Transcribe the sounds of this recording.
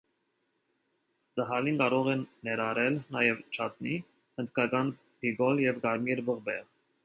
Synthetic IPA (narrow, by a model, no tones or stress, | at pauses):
d̪əɦɑlinkɑɾɔʁɛnːɛɾɑɾɛlnɑjɛvt͡ʃʰɑt̪ni | hənt̪kɑkɑn | pʰiɡɔljɛvɡɑɾmjɛɾbəʁbɛʁ